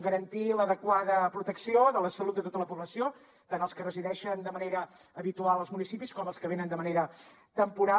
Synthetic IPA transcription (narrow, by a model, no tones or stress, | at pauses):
ɡəɾənt̪iləðəkwaðəpɾut̪əksioðələsəlut̪̚d̪ət̪ot̪ələpuβləsio | t̪anəlˠskərəziðɛʃənd̪əməneɾəː | βit̪ualˠəlˠzmunisipiskɔməlˠskəβenənd̪əməneɾə | t̪əmpuɾa